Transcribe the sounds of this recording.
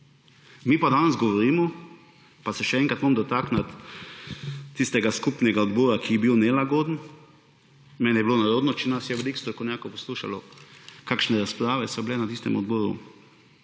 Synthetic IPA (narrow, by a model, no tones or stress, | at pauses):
miːpad̪anɛzɡɔʋɔɾiːmɔ | pasɛʃɛɛŋkat̪momd̪ɔt̪aknat̪ | ist̪ɛɡaskupnɛɡaɔd̪bɔːɾakʰiɛbiwnɛlaɡoːd̪ən | mɛnɛjɛblonaɾoːd̪nɔt͡ʃɛnasjɛʋɛlikst̪ɾɔkɔnjaːkɔpɔsluːʃa̰lɔkaːkʃnɛɾaspɾaːʋɛsɔblɛnat̪ist̪ɛmɔd̪bɔːɾṵ